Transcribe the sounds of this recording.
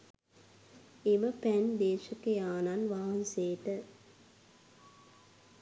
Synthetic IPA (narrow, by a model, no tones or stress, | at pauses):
eʋəpænd̪eːʂɐkejaːnanʋaːɐnseːʈə